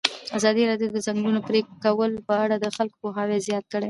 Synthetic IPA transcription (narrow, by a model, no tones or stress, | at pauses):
azɑd̪iɾɑdjod̪əzaŋɡlunopɾekːawəlpəaɽad̪əxalko̥poɦɑwezjɑt̪̚kəɽe